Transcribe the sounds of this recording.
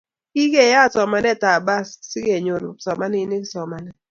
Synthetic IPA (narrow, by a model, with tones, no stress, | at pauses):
i˦ɡe˨ja˦˨sɔ˨ma˦nɛ˦˨ta˨ba˦ssi˦ɡe˨ɲo˨ɾo̰˨sɔ˨ma˦nɪ˦ni˦ksɔ˨ma˨nɛ˦